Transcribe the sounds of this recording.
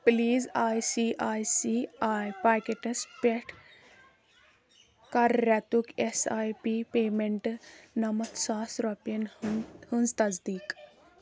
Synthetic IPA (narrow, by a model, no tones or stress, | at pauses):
pliːzajsiʔajsiajpakeʈɐspeʈʰ | kaɾːat̪ukesajpipemeɳʈnɐmɐt̪saːsɾɔpjɐnhɨnd͡zt̪ɐd͡zd̪iːk